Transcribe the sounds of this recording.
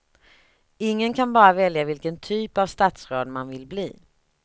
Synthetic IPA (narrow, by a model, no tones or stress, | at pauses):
ɪŋːənkʰanbɑːɾavɛljavɪlkənt̪ʰyːpavst̪at̪sɾoːd̪manvɪlblḭː